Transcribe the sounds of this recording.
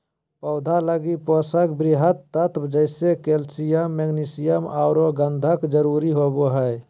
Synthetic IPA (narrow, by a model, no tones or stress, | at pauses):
pəʊd̪ʱaləɡiposəkbɾɪɦət̪ːət̪ʰbd͡ʒəɪsekeːlsijəmːeɡnisijəmaːɾoɡə̃nd̪ʱəkd͡ʒəɾuɾiɦoboɦəj